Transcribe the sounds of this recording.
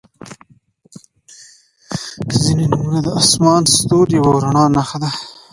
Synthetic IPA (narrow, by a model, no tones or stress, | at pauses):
zinenumunad̪əasmɑːnst̪oːɾjawawɾaɳɑːnaxad̪a